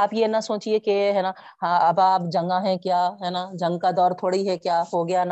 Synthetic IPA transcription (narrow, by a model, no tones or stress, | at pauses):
aːpjenasoːt͡ʃiekeɦɛːna | ɦãːɐbaːpd͡ʒɐ̃ŋɡãɦɛ̃kjaːɦɛːnad͡ʒɐ̃ŋɡkad̪ɔːɾt̪ʰoːɽiɦɛkjaːɦoɡɐjana